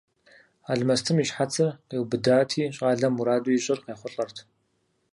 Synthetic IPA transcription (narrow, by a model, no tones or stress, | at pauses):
aːɮmɐstʰɨmiɕħat͡sʰɨrqeːwbɨdaːtʰiːɕʼaːɮɐmuɾaːduiɕʼɪrqeːχʷʊɬʼɐrtʰ